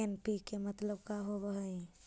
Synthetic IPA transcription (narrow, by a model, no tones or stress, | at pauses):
enpikemət̪ləbkaɦobəɦəi